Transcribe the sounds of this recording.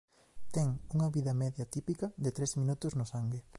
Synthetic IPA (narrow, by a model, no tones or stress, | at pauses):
t̪ɛŋuŋɐβiðɐmɛðjɐt̪ipikɐðet̪ɾezmĩnut̪ʊznʊsaŋɡe